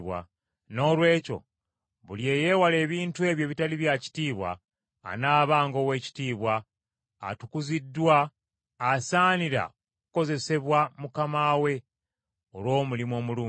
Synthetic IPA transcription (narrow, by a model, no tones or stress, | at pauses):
βwa̰ | no̞ːlwe̞ːco̞̰ | βulje̞ːje̞ːwale̞ːβiːntue̞ːβje̞ːβitaliβjaci̥tiːβwa̰ː | naːβaːŋɡo̞ːwe̞ːci̥tiːβwa̰ː | tukuzidːwaː | saːniɾa̰okuko̞ze̞se̞βwamukamaːwe̞ | olwo̞ːmulimo̞ːmuluː